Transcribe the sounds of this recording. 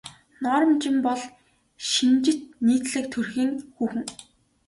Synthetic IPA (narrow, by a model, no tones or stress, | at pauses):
nɔːɾɞ̆mt͡ɕɪmpɔɮ | ʃint͡ɕɪ̆t̪̚niːt̪ɮɘ̆k̚t̪ʰɵrxiːŋxuːxɘ̆ŋ